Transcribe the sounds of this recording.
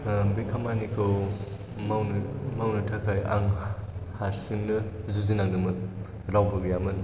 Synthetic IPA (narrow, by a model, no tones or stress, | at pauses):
bikʰamanikʰɯw | mawnmawnɯtʰakʰaja̰ŋhaɾsiŋnɯzuzinak̚dɯmɯk | lawbɯɡɯjamɯn